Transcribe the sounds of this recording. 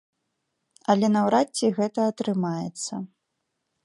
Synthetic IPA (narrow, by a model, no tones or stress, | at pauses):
ɐlʲɛnɐwɾat͡sʲːiɣɛt̪ɐːt̪ɾɨmajɛ̰t̪sːɐ